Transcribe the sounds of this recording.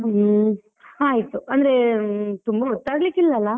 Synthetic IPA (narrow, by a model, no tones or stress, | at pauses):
aːɦit̪uɐnd̪ɐɾet̪umbɐɔt̪ːaːɡɐlikːilːɐːlːɐ